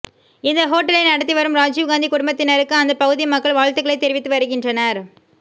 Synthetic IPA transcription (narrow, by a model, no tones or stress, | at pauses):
ɪnd̪ɐɦoːʈːɐɭɐɪnɐɽɐt̪ːiʋɐɾɯmɾaːd͡ʒiːʋɡaːnd̪ikʊɽʊmbɐt̪ːɪnɐɾɯkːɯɐnd̪ɐpɐɣɯðɪjmɐkːɐɭʋaːɻt̪ɯɣɐɭɐɪt̪ːɛɾɪʋɪt̪ːɯʋɐɾɯɣɪndrɐnɐɾ